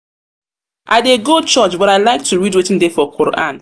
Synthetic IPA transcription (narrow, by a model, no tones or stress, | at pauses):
ʔaɪdeɡot͡ʃɔt͡ʃbɔɾaɪlaɪk̚tʰuɹidwetĩndefɔkʰoɾʔã̰n